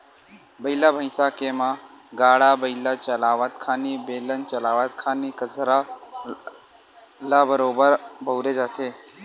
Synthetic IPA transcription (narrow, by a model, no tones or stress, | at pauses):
bəilabʱəɪsaːkemã | ɡaːɽaːbəɪlat͡ʃəlaːʋat̪kʰaːnibeːlənt͡ʃəlaːʋat̪kʰaːnikəzɾa | laːbəɾoːbəɾbʱəwɾed͡ʒaːt̪ʰeː